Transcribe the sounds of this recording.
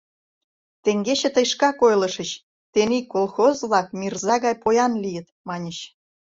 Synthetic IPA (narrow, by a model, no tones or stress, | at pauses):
t̪ĕŋɡeɕĕt̪ə̆jʃkɑkojlə̆ʃə̆t͡ɕ | t̪enikːolˠxozβlˠɑkmʲirzɑɣɑjpojɑnlijə̆t̪mɑnʲət͡ɕ